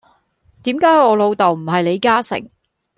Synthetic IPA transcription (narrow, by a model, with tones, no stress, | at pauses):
t̪iː˨˥mkaː˨˥jhjɔː˨˧lo˨˧wt̪ɐ˨˩wm̩˨˩ɦɐ˨jle˨˧jkaː˥sɪ̰˨˩ŋ